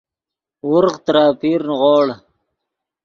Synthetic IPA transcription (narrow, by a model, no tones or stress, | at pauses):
wʊɾqt̪ɾɑːpiːɾnʁoːɽ